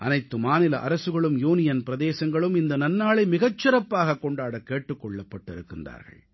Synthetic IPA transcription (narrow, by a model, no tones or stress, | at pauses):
ʔɐ̰nɐɪt̪ːɯmaːnɪlɐʔɐ̰ɾɐsɯɣɐɭɯmjuːnɪjɐnpɪɾɐðeːsɐŋɡɐɭɯmɪnd̪ɐnɐnːaːɭɐɪmɪɣɐt͡ʃːɪɾɐpːaːɣɐkːɔɳɖaːɽɐkːeːʈːɯkːɔɭːɐpːɐʈːɪɾɯkːɯnd̪a̰ːɾɣɐ̰ɭ